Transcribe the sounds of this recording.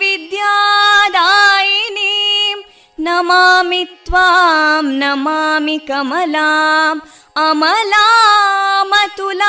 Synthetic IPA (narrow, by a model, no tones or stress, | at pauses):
ʋid̪jaːd̪aːjinim | nɐmaːmit̪ʋamnɐmaːmikɐmɐlaːm | ɐmɐlaːmɐt̪ula